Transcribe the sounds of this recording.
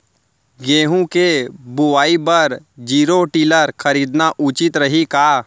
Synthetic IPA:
ɡeːɦũkebʊʋaːibɐɾ | d͡ʒiːɾoʈiːləɾxʰɐɾiːd̪naʔʊt͡ʃɪt̪ɾɐɦikaː

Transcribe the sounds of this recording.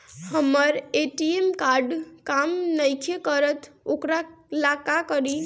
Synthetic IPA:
həməɾeʈiemkaɾɖkamnəjkʰekəɾət̪ʰokɾalakakəɾi

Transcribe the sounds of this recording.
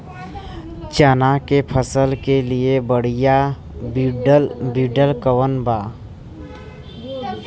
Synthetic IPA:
t͡ʃaːnakepʰəsəlkeliebəɽija | bɖlbiɖəlkəwənba

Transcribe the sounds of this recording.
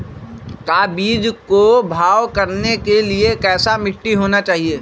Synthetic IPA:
k̪aːbiːd͡ʒkobʱaːʋkɐɾnekeliekɛːsamɪʈːiɦoːnat͡ʃaːɦieː

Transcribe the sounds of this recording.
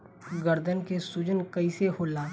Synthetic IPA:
ɡəɾd̪ənkesʊd͡ʒənkəiseɦoːlaː

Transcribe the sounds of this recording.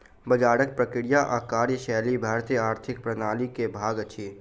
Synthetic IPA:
bɐd͡ʒaːɽək̚pɾɐkɪɽijaʔaːkaːɾjəʃɛːlibʱaːɾt̪ijəaːɾt̪ʰɪk̚pɾɐnaːlikebʱaːɡɐt͡ʃʰiː

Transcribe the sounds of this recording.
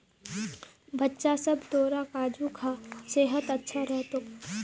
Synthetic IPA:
bɐtːʃasɐbt̪oːɾakaːd͡ʒukʰaseːɦət̪ɐtːʃʰaɾɛɦt̪oː

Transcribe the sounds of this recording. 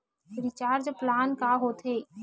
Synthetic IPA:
ɾɪt͡ʃaːɾd͡ʒplaːnkaɦoːt̪eː

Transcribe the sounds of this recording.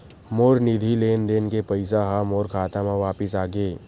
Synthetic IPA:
moːɾnid̪ʱileːnd̪eːnkepəɪsaɦamoːɾkʰaːt̪amãʋaːpɪsaːɡeː

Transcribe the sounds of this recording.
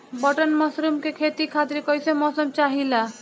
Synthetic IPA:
bəʈənməsɾumkekʰet̪ikʰat̪iɾkʌjsemɔsəmt͡ʃaɦila

